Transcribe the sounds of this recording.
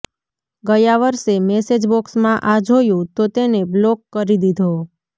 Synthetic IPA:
ɡəjaʋəɾsemɛsed͡ʒbɔksmãʔad͡ʒʱojũt̪ot̪eneblokːəɾid̪id̪ʱo

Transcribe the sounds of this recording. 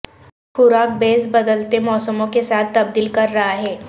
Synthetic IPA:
xʊɾaːk̚beːsbɐd̪əlt̪emɔːsəmõkesaːt̪ʰːɐb̚d̪iːlkɐɾːɐɦaɦɛː

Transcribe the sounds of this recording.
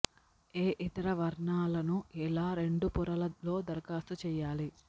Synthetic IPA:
eːʔit̪ɐɾɐʋɐɾɳaːlɐnuɛlaːɾe̞ɳɖupuɾɐlɐlo̞ːd̪ɐɾkaːst̪ut͡ʃɛːjaːli

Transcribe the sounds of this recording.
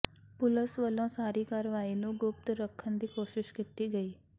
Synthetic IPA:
pʊləsʋəlõːsaːɾiːkaːɾʋaːiːnũːɡʊp̚t̪ɾəkʰːənd̪iːkoːʃɪʃkit̪iːɡəiː

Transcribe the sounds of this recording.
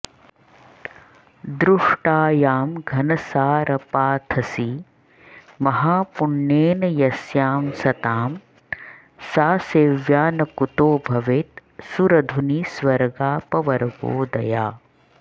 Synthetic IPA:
d̪ɾuʂʈaːjaːmɡʱɐnɐsaːɾʔɐpaːt̪ʰɐsi | mɐɦaːpuɳːeːnɐjɐsjaːmsɐt̪aːm | saːseːʋjaːnɐkut̪oːbʱɐʋeːt̪suɾɐd̪ʱunisʋɐɾɡaːpɐʋɐɾɐɡo̰ːd̪ɐjaː

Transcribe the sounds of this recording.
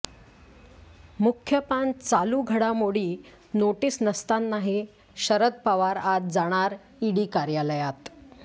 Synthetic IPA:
mukʰːjəpant͡saluːɡʱəɽamoɽiː | noʈiːsnəst̪anːaɦi | ɕəɾət̪̚paʋaɾat̪̚d͡zaɽ̃aɾ | iɽiːkaɾjaləjat̪

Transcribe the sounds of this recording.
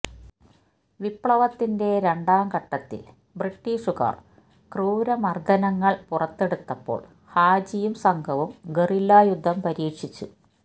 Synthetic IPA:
ʋipɭɐʋɐt̪ːinde̞ɾe̞ɳɖaːmkɐʈːɐt̪ːḭl | briʈːiːʂuka̰ːr | kruːɾɐmɐrd̪ʱɐnɐŋːɐɭpurɐt̪ːe̞ɽut̪ːɐpːo̞̰ːɭ | haːd͡ʑijumsɐŋɡʱɐʋumɡerilːaːjud̪ʱːɐmpɐɾiːkʂit͡ɕːṵ

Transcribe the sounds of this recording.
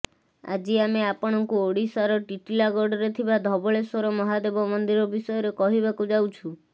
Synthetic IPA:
a̰d͡ʒiameapɔɽ̃ɔŋkuoɽisaɾɔʈiʈilaɡɔɖɔɾet̪ʰibad̪ʱɔbɔɭesɔɾɔmɔɦad̪ebɔmɔnd̪iɾɔbisɔjɔɾekɔɦiβakud͡ʒawt͡ʃʰu

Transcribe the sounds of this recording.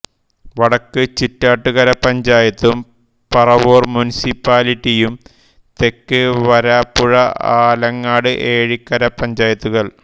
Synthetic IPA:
ʋɐɽɐkːɨt͡ɕitːaːʈːuɣɐɾɐpɐɲd͡ʑaːjɐt̪ːum | pɐrɐʋoːrmunisipːaːliʈːijum | t̪e̞kːɨʋɐɾaːpːuɻɐaːlɐŋːaːɽɨʔe̞ːɻikːɐɾɐpɐɲd͡ʑaːjɐt̪ːuɣɐɭ

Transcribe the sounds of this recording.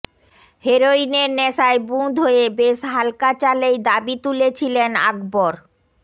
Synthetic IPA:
heɾoineɾnɛʃaebũd̪ʱɦoebeʃɦalkat͡ɕalejd̪abit̪ulet͡ɕʰilena̰ɡboɾ

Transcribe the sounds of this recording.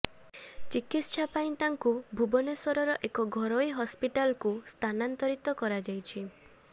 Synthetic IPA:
t͡ʃikit̪ʃapaj̃ĩt̪aŋkubʱubɔneswɔɾɔɾɔʔekɔɡʱɔɾoiɦɔspiʈalkust̪ʰanant̪ɔɾit̪ɔkɔɾad͡ʒajt͡ʃʰi

